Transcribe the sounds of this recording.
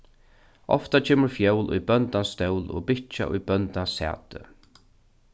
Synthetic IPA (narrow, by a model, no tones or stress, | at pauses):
ʔɔ̰ft̪at͡ʃʰeːmʊɹfjœwlʊ̰jbœnt̪anst̪ɛwlo̰ːbɪt͡ʃa̰ʔʊjbœnt̪asɛ̰ːt̪ə̰